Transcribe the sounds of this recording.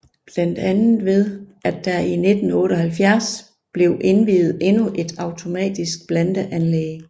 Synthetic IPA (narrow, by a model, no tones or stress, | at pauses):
b̥læn̰d̥ænð̩ˠʋe̝ð̞ˠʔæd̥ːɑine̝d̥n̩ɔ̽ːɾɒhælfjæɐs | b̥le̝ʊʔe̝nʋiːð̞̩ˠe̝nuʔe̝d̥ɑ̈ʊt͡sʰo̝mɛ̰ːd̥isɡ̥̚b̥lænd̥əʔænleː